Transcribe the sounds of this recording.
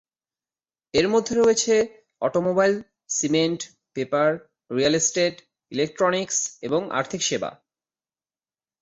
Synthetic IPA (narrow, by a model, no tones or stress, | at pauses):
eɾmod̪ʱːeɾoet͡ɕʰe | ɔ̰ʈomobajl | simeɳʈ | pepaɾ | ɾialisʈeʈ | ilek̚ʈɾonikseboŋa̰ɾt̪ʰikʃeba̰